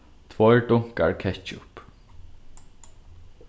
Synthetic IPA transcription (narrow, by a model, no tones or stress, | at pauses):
t̪ʰvɔjɹɖʊŋ̥ka̰ɹkʰɛt͡ʃʊ̰p